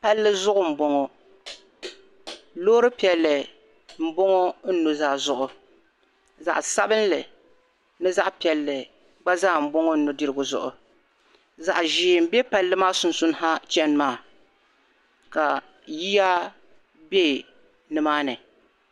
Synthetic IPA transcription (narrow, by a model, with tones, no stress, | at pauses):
pa˦lːɨ˦zʊ˦ʔʊ˨m̩˨bo˦ŋɔ˦ | loː˦ɾɨ˦pi˨ɛ˨lːɨ˨ | m̩˦bo˦ŋɔ˦n̩˦nʊ˨zaː˦˨zʊ˦˨ʔʊ˨ | za̰˨ʔsa˦bɨ˦nlɨ˨ | nɨ˦za˦ʔpi˨ɛ˨lːɨ˨ | ɡ͡ba˦zaː˦˨m̩˨bo˦ŋo˦n̩˦nʊ˨dɨ˦ɾɨ˦ɡʊ˨zʊ̰˨ʔʊ̰˨ | za˨ʔʒiː˨m̩˨bɛ˦pa˦lːɨ˦maː˦sʊ˨n˨sʊ˦n˦ɦa˦t͡ʃɛ˦nmaː˦˨ | ka˨ | ji˦ja˦ | be˦˨ | nɨ˨maː˦nɨ˨